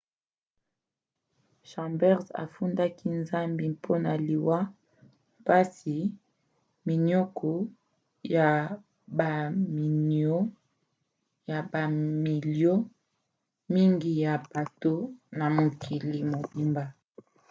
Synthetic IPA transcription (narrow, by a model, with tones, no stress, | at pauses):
ʃɑ̃˨mbɛ˦ʁza̰˨fu˦nda˦ki˦nza˦mbi˨pʰo˦na˨li˨wa˦ | pa˦si˨ | mi˨nɔ˦kʰɔ˨ | ja˨ | ba˨mi˨nɔ˦ | ja˨ba˨mi˨ljo˦ | mi˦ŋɡi˨ja˨ba˨to˦na˨mo˨kʰi˨li˨mo˨bi˨mba˨